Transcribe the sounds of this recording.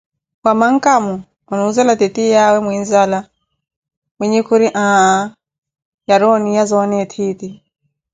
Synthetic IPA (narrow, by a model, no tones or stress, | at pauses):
kwamaŋ̩kamu | unuzɛlatɛtijawɛmwinzala | mwiɲɛkʰuɾiʔãːa | jaɾɔnijazɔnɛtʰiti